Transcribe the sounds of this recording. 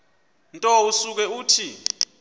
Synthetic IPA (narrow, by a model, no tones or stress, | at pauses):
ntʼɔusuk̬ɛuːtʰi